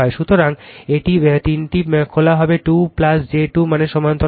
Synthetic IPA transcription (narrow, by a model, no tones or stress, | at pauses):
ɔeʃut̪oɾaŋeʈit̪inʈikʰolaɦɔbeʈuplasd͡ʑeʈumaneʃɔmant̪o